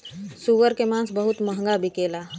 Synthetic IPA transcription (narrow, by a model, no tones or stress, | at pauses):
suʋəɾkemãːnsbəɦʊt̪məɦŋɡabʱikeːlaː